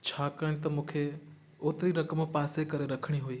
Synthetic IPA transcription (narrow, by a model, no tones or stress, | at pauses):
t͡ɕʰaːkɐɪɽ̃ɪt̪ɐmũːkʰe | oːt̪ɪɾiɾɐkəmpaːsekɐɾeɾɐkʰəɽ̃iɦuiː